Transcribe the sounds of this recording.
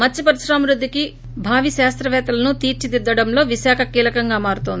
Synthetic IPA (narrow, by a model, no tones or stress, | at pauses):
mɐt͡ʃːipɐɾiʃɾaːmɾud̪ʱːiki | bʱaːʋiʃaːst̪ɾɐʋɛːt̪ɐlɐnut̪iːɾt͡ʃid̪id̪ːɐɽɐmlo̞ːʋiʃaːkʰɐkiːlɐkɐŋɡaːmaːɾut̪oːnd̪i